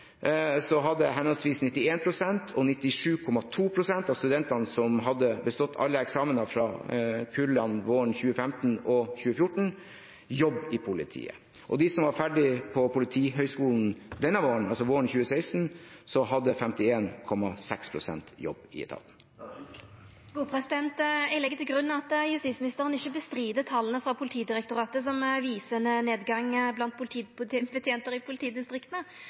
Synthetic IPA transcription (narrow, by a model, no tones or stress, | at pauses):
sɔɦɑd̪ːəɦɛnɔlsʋiːsnɪt̪ːɪeːnpʰɾʊsɛnt̪ʰɔnɪt̪ːɪʂʉːkʰɔmɑt̪ʰuːpʰɾʊsɛnt̪ɑːʋst̪ʉd̪ɛnt̪ɑnəsɔmɦɑd̪ːəbəst̪ɔt̪ʰːɑ̰lːəɛksɑːmənɑfɾɑːkʰʉlɑnʋoːəɳçʉːəfɛmt̪n̩ɔçʉːəfjʊʈɳ̩ | jɔbːɪpʰʊlɪ̰t̪ʰḭːə̰ | ʔɔd̪ɪsɔmʋɑɾfæɖɪpʰɔpʰʊlɪt̪ʰiːɦœʏskuːln̩d̪ɛnːəʋoːɾən̩ɑlsɔʋoːɾəɳçʉːəseɪst̪n̩sɔɦɑd̪ːəfɛmt̪ɪeːnkʰɔmːɑsɛkspʰɾʊsɛ̰nt̪jɔ̰bɪ̰ɛ̰t̪ʰɑ̰ːt̪n̩ | ɡ̥uːpʰɾɛsɪd̪ɛnt̪ɪlɛɡət̪ɪlɡɾʉnːɑɑt̪jʉst̪it̪smɪnɪst̪əɾənɪçːəbəst̪ɾiːd̪ət̪ʰɑlːənəfɾɑpʰʊlɪt̪ʰiːd̪ɪɾɛk̚t̪ʊɾɑːt̪əs̬ɔmʋiːsənəneːd̪ɡɑŋblɑnt̪̚pʰʊlɪt̪ʰiːbət̪ʰjeːnt̪əɾɪpʰʊlɪt̪ʰiːd̪ɪst̪ɾɪkt̪nə